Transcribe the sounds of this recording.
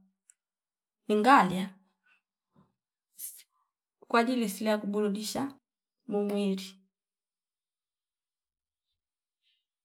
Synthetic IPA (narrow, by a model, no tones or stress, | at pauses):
niŋɡalja | kwadilisiliakubuludiʃa | mumwiɾi